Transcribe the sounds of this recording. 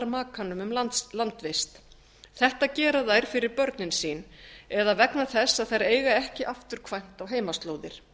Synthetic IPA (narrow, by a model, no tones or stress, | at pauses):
ɾmaːkʰanʏmʏmlalant̪vejst̪ | θɛht̪acɛːɾaðajɾ̥fɪɾɪɾpœɾt̪nɪnsiːnɛðavɛknaθɛsːaðθajɾeːjɣaɛhcɪʔaft̪ʏɾ̥kʰvajn̥t̪awɦeːjmast̪loːwðɪɾ̥